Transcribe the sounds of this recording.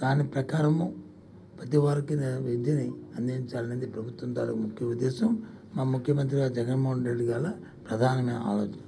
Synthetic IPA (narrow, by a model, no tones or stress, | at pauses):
d̪̥aːnipɾɐkaːɾɐmu | pɐt̪̬iʋaːɾɐkinɐʋid̪jɐniɐnd̪iiɲt͡ʃaːlɐnɐnd̪ipɾɐbʱut̪ːʋunt̪a̰ːlimukʰjɐʋud̪ːɛːsɐmːaːmukʰjɐmɐnt̪ɾiɡaːd͡ʒɛɡɐnmoːɦɐnɖɾeɖːiɡaːla | pɾɐd̪ʱaːnɐnɐa̰ːloːt͡ʃinɐ